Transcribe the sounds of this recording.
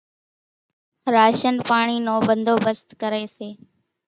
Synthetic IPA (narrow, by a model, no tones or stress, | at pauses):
ɾaːʃənpaːɳ̃iːnõːbənd̪ʱoːbəst̪kəɾeːseː